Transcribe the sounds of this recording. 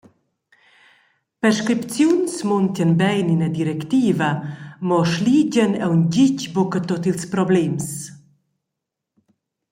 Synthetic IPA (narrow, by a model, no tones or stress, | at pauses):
pɛɾʃkɾipt͡sjunsmɔnt̪ənbɛjninad̪iɾɛkt̪iːvamɔʃliːɟənɛwnɟicbɔkət̪ɔt̪ilspɾɔblɛms